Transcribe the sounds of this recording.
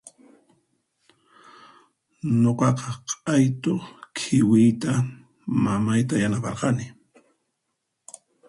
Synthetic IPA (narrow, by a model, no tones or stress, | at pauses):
noqɑqɑqʼajt̪okʰɪwɪjt̪a | mamajt̪ajanapɑ̰ɾqɑnɪ